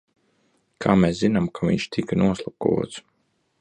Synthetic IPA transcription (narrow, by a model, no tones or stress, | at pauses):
kʰaːmɛszinamkʰavḭɲʃt̪ʰikanuɔslˠakṵɔt̪s